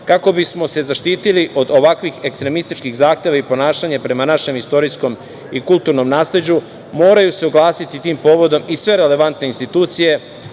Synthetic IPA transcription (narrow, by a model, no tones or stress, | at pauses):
kako̞bismo̞se̞zaʃt̪iːt̪iliʔo̞d̪o̞ʋakʋixe̞kst̪ɾe̞mist̪it͡ʃkixzaːxt̪e̞ʋaipo̞naːʃaɲepɾe̞manaʃe̞mist̪o̞ɾisko̞m | ikulˠt̪uɾno̞mnaːsle̞d͡ʑu | mo̞ːɾajuse̞oɡlˠaːsit̪it̪iːmpo̞ːʋo̞d̪o̞misʋe̞ɾe̞le̞ʋant̪neinst̪it̪uːt̪sije̞